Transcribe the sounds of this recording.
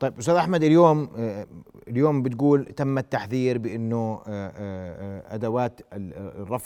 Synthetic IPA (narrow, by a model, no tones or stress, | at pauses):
t̪ˤɑjːbʔʊst̪aːd̪ʔaħmad̪ɪljoːm | ɪljoːmbɪt̪̚ɡuːlt̪amːat̪ːaħθiːɾbɪʔɪnːʊ | ʔa̰d̪awaːt̪rˤːɑf